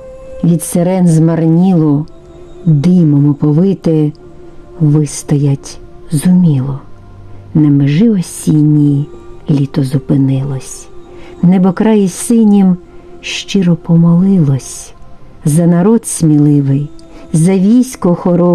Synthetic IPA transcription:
ʋʲid̪seɾɛnzmɐrnʲilˠʊ | d̪ɪmɔmʊpɔʋɪt̪ɪ | ʋɪst̪ɔjɐtʲzʊmʲilˠɔ | nɛmɪʒɪɔsʲinʲːilʲit̪ɔzʊpɪnɪlˠɔsʲ | nɛbɔkɾɑjisɪnʲim | ʃt͡ʃɪɾɔpɔmɔlˠɪlˠɔsʲ | zɐnɐɾɔd̪sʲmʲilˠɪʋɪj | zɐʋʲijsʲkɔxɔɾɔ

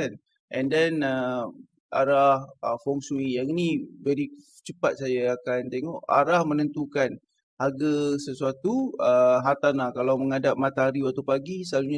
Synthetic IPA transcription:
an | ʔɛ̃ndɛnə | ʔaɾahəfɔŋsuijaŋinĩvɛɾi | t͡ʃəpat̪̚sajaakant̪eŋɔʔa̰ɾahmənənt̪ukan | haɡasəsuat̪uəɦat̪anlahkalawməŋadap̚mat̪aɦaɾiwat̪awpaɡisəlaluɲa

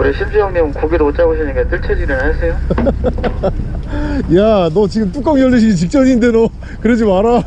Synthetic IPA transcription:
oɾeɕʰimd͡ʑujʌŋmʌŋnkoɡiɾoot͡ɕ͈aboɕʰinɯnɡet͈ɯɭt͡ɕʰed͡ʑinɯnɦasʰe̞jo | janʌt͡ɕiɡɯmt͈uk͈ʌŋjʌɭːeɕʰiɡit͡ɕik̚t͡ɕ͈ʌninde̞nʌ | kɯɾed͡ʑimaɾa

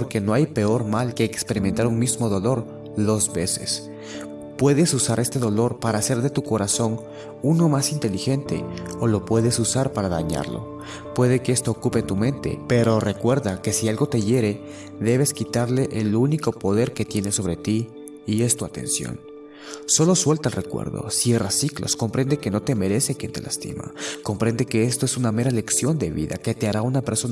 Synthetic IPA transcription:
poɾke̞no̞ajpe̞o̞ɾmalkeekspe̞ɾiment̪aɾuŋmizmo̞ðo̞lo̞ɾ | ðo̞zβe̞se̞̰s | pwe̞ðe̞susaɾʔe̞st̪e̞ðo̞lo̞ɾpaɾaːse̞ɾðe̞t̪uko̞ɾaso̞n | uno̞masint̪e̞lixe̞nt̪e̞̰olo̞pwe̞ðe̞susaɾpaɾaðaɲa̰ɾlo̞̰ | pwe̞ðe̞keest̪o̞ːkupet̪umẽ̞nt̪e̞̰pe̞ɾo̞re̞kwe̞ɾðake̞sialɣo̞t̪e̞ʝe̞ɾe̞ | ðe̞βe̞skit̪aɾle̞ʔeluniko̞po̞ðe̞ɾke̞t̪je̞ne̞so̞β̞ɾe̞t̪iː | e̞st̪uat̪e̞̰nsjo̞̰n | so̞lo̞swe̞lt̪alrʔe̞kwḛɾðo̞̰sje̞rasiklo̞̰sko̞mpɾe̞nd̪eke̞no̞t̪e̞me̞ɾe̞se̞kjent̪e̞last̪ḭma̰ko̞mpɾe̞nd̪e̞ke̞e̞st̪oesuname̞ɾale̞ksjo̞nd̪e̞βḭða̰ke̞t̪e̞aɾaunape̞ɾso

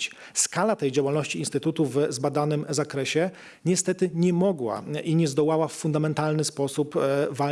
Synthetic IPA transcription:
t͡ɕ | skalat̪ɛjd͡ʑawalnɔɕt͡ɕiinst̪ɘt̪ut̪uvzbad̪anɘmzakɾɛɕɛ | ɲɛst̪ɛt̪ɘɲɛmɔɡwa̰ʔiɲɛzd̪ɔwawafːund̪amɛnt̪alnɘspɔsupva

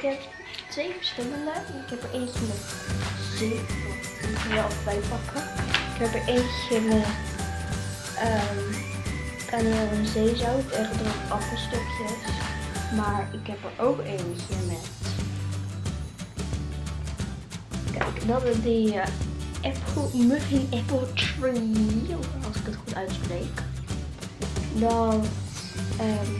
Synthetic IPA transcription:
ɪkɦɛp | tʋejvəɹsχɪləndəɪkɦɛpəɹʔensəmɛtze | əɔfbɛjpɑkʰəɪkɦɛpəɹʔejnsɪmɛt | ʔəm | kanəənzejzawətɛχədpɑfəstɔkjəsmaɹɪkɦɛpəɹʔowkeːnəkɪɹmɛt | kɛjkdɔtədə | ʔɛpʰl̩ˠmøfiʔɛpl̩ˠtɹi | ɔlˠsɪkətxutœɥtsprejk | dɔn | ə

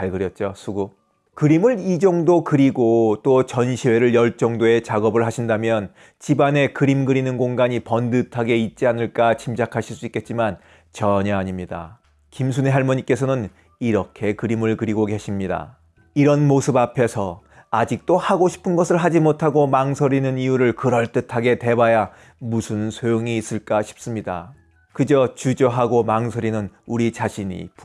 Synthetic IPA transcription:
aɭɡɯɾjʌt̚t͡ɕ͈osʰuɡu | kɯɾimɯɾid͡ʑʌŋdokɯɾiɡot͈ot͡ɕʌnɕʰiwe̞ɾɯɭjʌɭt͡ɕ͈ʌŋdoe̞t͡ɕaɡʌbɯɭɦaɕʰindamjʌn | t͡ɕibane̞kɯɾimɡɯɾinɯnkoŋɡaɲipʌndɯtʰaɡe̞it̚t͡ɕ͈ianɯɭk͈at͡ɕʰimd͡ʑakʰaɕʰiɭs͈uik͈e̞t̚t͡ɕ͈iman | t͡ɕʌɲʌaɲimɲida̰ | kimsʰune̞ɦaɭmʌɲik͈e̞sʰʌnɯn | iɾʌkʰe̞kɯɾimɯɭkɯɾiɡoke̞ɕʰimɲida̰ | iɾʌnmosʰɯbapʰe̞sʰʌ | ad͡ʑik̚t͈ohaɡoɕʰi̥pʰɯnɡʌsʰɯɭɦad͡ʑimotʰaɡomaŋsʰʌɾinɯnijuɾɯɭkɯɾʌɭt͈ɯtʰaɡe̞te̞baja | musʰɯnsʰojoŋiːs͈ɯɭk͈aɕʰi̥p̚s͈ɯmɲida̰ | kɯd͡ʑʌt͡ɕud͡ʑʌɦaɡomaŋsʰʌɾinɯnuɾit͡ɕaɕʰiɲḭp

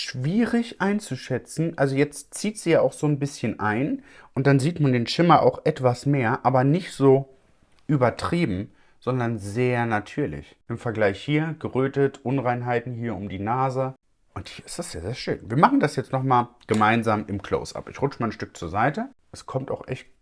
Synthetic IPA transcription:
ʃv̥iːʁɪçʔaɪnt͡suʃɛt͡sn̩ʔalzojɛt͡stt͡siːtz̥iːjaːaʊxz̥oːnbɪsçənʔaɪnʔʊntd̥anziːtmandeːnʃɪmɐʔa̰ʊxʔɛtv̥asmeːɐʔaːbɐnɪçtz̥oː | ʔyːbɐtʁ̥iːbm̩ | z̥ɔndɐnzeːɐnatʰyːɐlɪ̰ç | ʔɪmfɛɐɡlaɪçhiːɐɡ̥əʁøːtətʰʔʊnʁaɪnɦaɪtn̩hiːɐʊmdiːnaːzə | ʔʊnthiːɐɪ̥std̥asjaːzeːɐʃøːnviːɐmaχn̩dasjɛt͡stnɔχmaːlɡ̥əmaɪnzaːmɪmkl̥o̰ʊːsʔa̰pʔɪ̰çʁʊt͡ʃəmaːnʃtʏk̚t͡suːɐzaɪtə | ʔɛskʰɔmta̰ʊxʔɛ̰çt

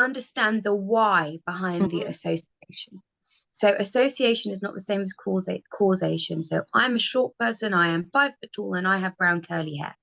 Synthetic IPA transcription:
ʌ̃ndəstæ̃nðəwaɪb̥ɪɦãɪ̃nðiə̰səʊsieɪʃə̃n | səʊʔəsəʊsieɪʃə̃nɪznə̰ʔðəsẽɪ̃məz̥kʰːzkʰɔːzeɪʃə̃nsəʊʔãɪ̃məʃɔˑʔ̚pʰɜˑsə̃naɪə̃ɱfaɪv̥fətʰɔːlˠə̃naɪəvbɹãʊ̃nkʰɜːliɦɛ̰ː

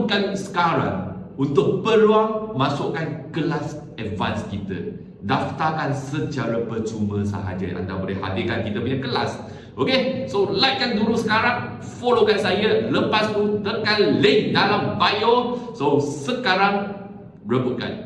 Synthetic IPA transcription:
kansə̥kaɾa̰ŋunt̪ʊk̚pəluaŋmasʊkankəlas | ɛtva̰nskit̪ə̰ | daft̪akansət͡ʃaɾapət͡ʃuməsə̰ɦa̰d͡ʒə̰ʔa̰nda̰bolɛhha̰dɪkankit̪əpəɲãkəlas | ʔokesolajʔkːandulusəkaɾaŋ | folokansajələpast̪ut̪əkanlədalambajososəkaɾaŋ | ɹəbut̪̚ka̰n

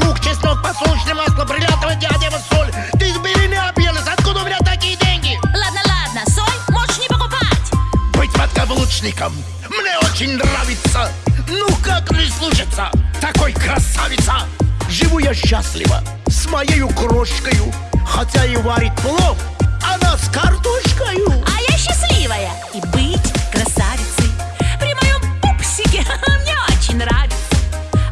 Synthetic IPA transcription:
mukt͡ʃɛsʲt̪ʲnk̚pɐsulˠət͡ʃnəmaslˠəpɾʲɪlʲat̪əvəjʲadʲɛvəsolʲ | t̪ɨzbʲɪlʲinɨɐbjenəsʲɐt̪̚kud̪əʊmʲɪnʲat̪ɐkʲijədʲenʲɡʲɪlˠad̪nəlˠad̪nəsolʲmoʂnʲɪpəkʊpatʲbɨtʲvɐd̪̚ɡɐvlˠut͡ʃnʲɪkəm | mnʲeot͡ɕɪnʲnravʲɪt̪sənukakmnʲɪslˠut͡ʃɪt̪sːə̰t̪ɐkojkɾɐsavʲɪt̪saʐɨvujaɕːasʲlʲɪ̰və̰ | smɐjejʊkroʂkəjʊ | xɐtʲaɪvaɾʲɪt̪̚ʲplˠofɐnaskart̪uʂkəjʊɐjaɕːɪsʲlʲivəjə | ibɨtʲkɾɐsavʲɪt̪sɨj | pɾʲɪmɐjomupsʲɪkʲɪmnʲeot͡ɕɪnʲnravʲɪt̪sə

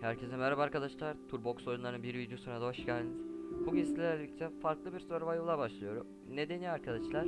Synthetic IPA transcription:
hæɾcʰezɛnmɛɾabaːɾkad̪aʃlˠaɾt̪ʰuɾbo̞kso̞junˠaɾɯnbiɾvid̪josunad̪aβaʃcælʲbuɡʲislʲɛɾlʲic̚t͡ʃʰɛfaɾklˠɯbiɾsoɾavajolˠabaʃlˠɯjo̞ɾṵ | ne̞d̪e̞niaɾkʰad̪aʃlˠaɾ

